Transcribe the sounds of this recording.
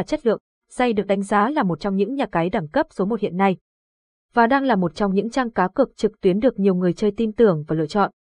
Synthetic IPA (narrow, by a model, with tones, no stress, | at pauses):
t͡ɕə˦˥t̚lɨ̰˧˨əŋ | sa˧jɗɨ˨˩ək̚ɗa˨˦ŋ̟zaː˨˦laː˨˩mo˨˩t̚t͡ɕɔ˧wŋ͡mɲɨ̰˧˥ŋɲaː˨˩kaː˨˦jɗaː˧˩ŋkə˦˥p̚so˨˦mo˨˩t̚hḭ˧˨ənːa˧j | vaː˨˩ɗaː˧ŋlaː˨˩mo˨˩t̚t͡ɕɔ˧wŋ͡mɲɨ̰˧˥ŋt͡ɕaː˧ŋkaː˨˦wkɨ˨˩ək̚t͡ɕɨ˨˩k̚t̪wi˨˦ənɗɨ˨˩ək̚ɲi˨˩əwŋɨ˨˩əjt͡ɕəː˧jt̪i˧nt̪ɨ˨˩əŋvaː˨˩lɨ̰˧˨ət͡ɕɔ̰˧˨n